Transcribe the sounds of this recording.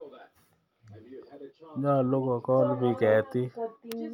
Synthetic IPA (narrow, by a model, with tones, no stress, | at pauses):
ɲɔ˦a˨lo˦kɔ˨kɔ˦lbɪ˦kɛ˨˦tɪ˦